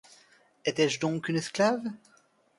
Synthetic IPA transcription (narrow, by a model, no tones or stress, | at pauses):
ɛt̪ɛʒd̪ɔ̃kynɛsklav